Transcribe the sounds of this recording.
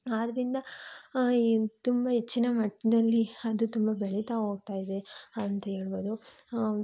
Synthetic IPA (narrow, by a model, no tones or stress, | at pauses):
aːd̪ɐɾind̪ɐ | t̪umbɐɦet͡ʃːinɐmɐʈːid̪ɐlːiɐd̪ut̪umbɐbeɭit̪aɦo̞ːɡ̚t̪aːjid̪e̞nt̪ɐeːɭuʋoːd̪u